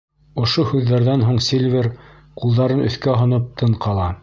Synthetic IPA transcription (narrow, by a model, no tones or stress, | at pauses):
ŏʃohʉðːæɾðænɦuɴsʲilʲvʲeɾ | qulˠd̪ɑɾɤnɵ̆θkæɦŏnɤp̚t̪ʰɤɴqɑlˠɑ